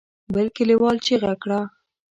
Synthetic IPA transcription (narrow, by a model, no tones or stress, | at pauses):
balkɪlewɑlt͡ʃeɣakɽa